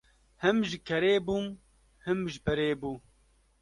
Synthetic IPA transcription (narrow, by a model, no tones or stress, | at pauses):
hɨmʒɪkʰɛɾeːbum | hɨmʒɪpɛɾeːbuː